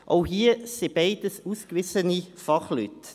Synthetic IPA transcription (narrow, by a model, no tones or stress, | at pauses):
ʔo̰ʊhiːseb̥ɛɪdəsuːskʋɪsənifɑχly̰t